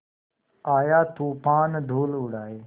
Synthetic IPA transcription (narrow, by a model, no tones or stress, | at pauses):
aːjaːt̪uːpaːnd̪ʱuːlʊɽaːeː